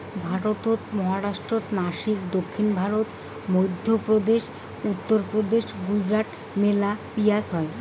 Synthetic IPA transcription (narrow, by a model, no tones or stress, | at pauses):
bʱaɾot̪ot̪mɔɦaɾaʃʈɾot̪naʃikd̪okʰːinbʱaɾot̪ | mojd̪ʱːjopɾod̪eʃ | ut̪ːoɾpɾod̪eʃɡud͡ʑɾaʈ | melapijad͡ʑɦɔe